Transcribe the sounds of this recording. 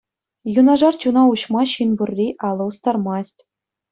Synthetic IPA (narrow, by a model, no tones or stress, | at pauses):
junɑʐɑrt͡ɕunɑuɕmɑɕinburʲːiʔɑlˠɤ̆ust̪ɑrmɑsʲtʲ